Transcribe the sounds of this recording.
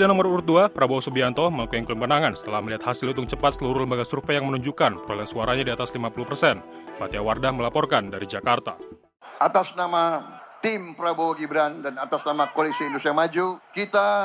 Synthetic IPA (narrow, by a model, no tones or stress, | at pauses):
sidanɔməɾuɾut̪̚duapɾabosubiant̪ɔməlakuɛŋklumbənaŋansə̥t̪əlahməliɦat̪hasɪlut̪ʊŋt͡ʃəpat̪̚səluɾuhləmbaɡasurfɛjaŋmənuɲd͡ʒukanpəkalansuaɾaɲadiat̪aslimapuluhpərsɛnpat̪iawardahməlapɔrkandaɾid͡ʒakart̪a | ʔat̪asnama | t̪impɾabowaɡibɾandanat̪asnamakolisiːndust̪ijamad͡ʒukit̪a